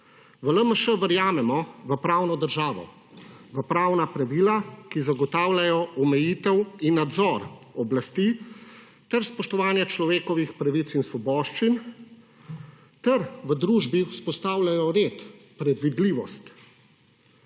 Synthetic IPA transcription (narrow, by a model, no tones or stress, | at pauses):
ʋələməʃəʋəɾjaːmɛmɔʋəpɾaːwnɔd̪əɾʒaːʋɔ̰ | ʋəpɾaːwnapɾaʋilakizaɡɔt̪aːwlʲajɔʔɔmɛjiːt̪ɛwinːad̪zɔɾɔblast̪iː | t̪ɛɾspɔʃt̪ɔʋaːnjɛt͡ʃlɔʋeːkɔʋixpɾaʋit̪sinsʋɔbɔːʃt͡ʃin | t̪ɛɾʋəd̪ɾuːʒbiuspɔst̪aːwlʲajɔɾet̪ | pɾɛd̪ʋid̪liːʋɔst̪